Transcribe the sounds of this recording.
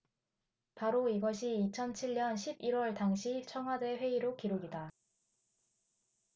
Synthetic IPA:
paɾoiɡʌɕʰiːt͡ɕʰʌnt͡ɕʰiɭɲʌnɕʰibiɾwʌɭtaŋɕʰit͡ɕʰʌŋɦwade̞ɸwe̞iɾokiɾoɡida

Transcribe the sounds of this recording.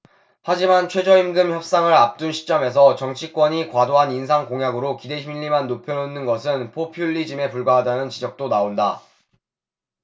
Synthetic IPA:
had͡ʑimant͡ɕʰwe̞d͡ʑʌimɡɯmçjʌp̚s͈aŋɯɾap̚t͈unɕʰi̥t͡ɕ͈ʌme̞s̬ʰʌt͡ɕʌŋt͡ɕʰik͈wʌɲikwadoɦaninsʰaŋkoŋjaɡɯɾokide̞ɕʰimʎːimanːopʰjʌnonːɯnɡʌsʰɯnpʰopʰjuʎːid͡ʑime̞puɭɡwaɦadanɯnt͡ɕid͡ʑʌk̚t͈onaonda

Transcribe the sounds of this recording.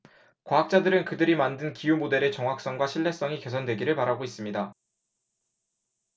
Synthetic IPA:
kwaɦak̚t͡ɕ͈adɯɾɯnkɯdɯɾimandɯnkijumode̞ɾe̞t͡ɕʌŋɦak̚s͈ʌŋɡwaɕʰiɭːe̞s͈ʌŋike̞sʰʌndwe̞ɡiɾɯɭpaɾaɡois͈ɯmɲida

